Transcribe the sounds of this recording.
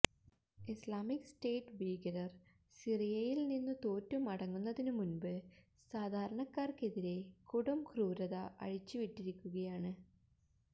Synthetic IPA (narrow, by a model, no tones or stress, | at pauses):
islaːmikste̞ːʈːʋiːɡɐɾɐr | sirijɐjilninːut̪oːtːumɐɽɐŋːunːɐðinɨmunbɨ | saːd̪ʱaːɾɐɳɐkːaːrke̞ðiɾe̞kuɽumkruːɾɐðɐʔɐ̰ɻit͡ɕːɨʋiʈːiɾikʲːuɣɐjaːɳɨ